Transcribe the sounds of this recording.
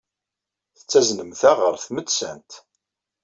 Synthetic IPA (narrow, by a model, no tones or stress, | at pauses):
θə̥t͡sːæznəmθæʁəɾθməd̪sæ̰nt̪